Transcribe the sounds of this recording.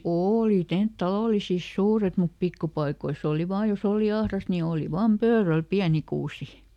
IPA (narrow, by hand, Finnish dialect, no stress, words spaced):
oːli tent tɑloˑlisis suːret mup pikːupɑikois oˑli ʋɑː jos oˑli ɑhrɑst ni oːli ʋɑːm pøːræl piæni kuːsi